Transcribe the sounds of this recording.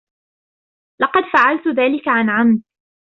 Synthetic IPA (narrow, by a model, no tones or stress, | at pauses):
lɑqɑd̪faʕalt̪ʊðaːlɪkaʕanʕamd̪